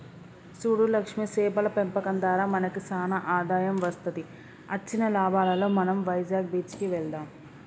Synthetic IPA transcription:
suːɽulɐkʂmisɛːbɐlɐpempɐkɐnd̪aːɾaːmɐnɐkisaːnɐʔaːd̪aːjɐmʋɐst̪ɐt̪i | ɐt͡ʃːinɐlaːbʱaːlɐlo̞ːmɐnɐmʋɐjd͡ʒaːɡ̚biːt͡ʃkiʋɛɭd̪aːm

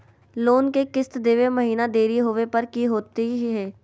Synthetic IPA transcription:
loːnkekɪst̪d̪eːʋemɐɦiːnad̪eːɾiɦʊʋepɐɾkiɦoːt̪iɦɦɛː

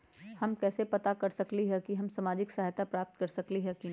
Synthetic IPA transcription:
hɐmkɛːsepɐt̪akɐɾsɐkliɦɛkiɦɐmsamaːd͡ʒɪksaɦajt̪apɾaːp̚t̪kɐɾsɐkliɦɛkin

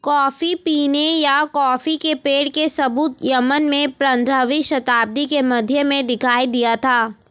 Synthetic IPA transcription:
kɔːfipiːnejakɔːfikepeːɽkesɐbuːt̪jɐmənmẽpɾə̃nd̪ɾəʋiʃɐt̪aːb̚d̪ikemɐd̪ʱjəmẽd̪ɪkʰaːid̪ijat̪ʰaː

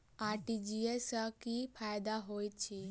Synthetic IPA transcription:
aːɾʈid͡ʒiesakipʰaːjd̪aɦojt͡ʃʰi

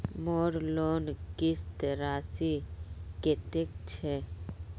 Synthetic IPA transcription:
moɾlonkist̪ɾasiket̪ek̚t͡ʃʰe

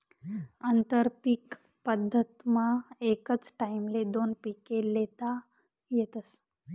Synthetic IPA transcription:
ənt̪əɾpik | pəd̪ʱːət̪maekət͡sʈaimled̪onpikelet̪a | jɛt̪əs

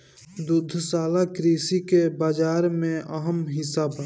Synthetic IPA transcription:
d̪ʊd̪ʱsaːlakɾiːsikebaːd͡ʒaːɾmẽʔəɦəmɦɪsaba

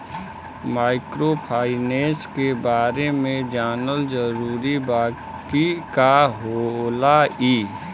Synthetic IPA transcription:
maːɪkɾopʰaːɪneːskebaːɾemẽd͡ʒaːnəld͡ʒəɾuːɾibaː | kikaɦolaiː

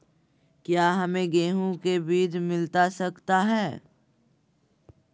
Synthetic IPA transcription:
kjaːɦɐmẽɡeːɦũkebiːd͡ʒmɪlt̪asɐkt̪aɦɛː

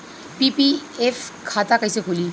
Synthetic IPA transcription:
pipiefkʰaːt̪akɐisekʰoːliː

